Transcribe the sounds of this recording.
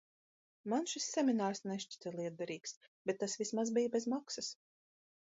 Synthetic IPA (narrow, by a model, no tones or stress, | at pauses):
manʃisʲːɛmʲinaːɾsnɛʃt͡ʃi̥t̪ʲɛlˠiɛd̪̚d̪aɾiːksb̥ʲɛt̪ːasvʲismazbijbʲezmaksɐs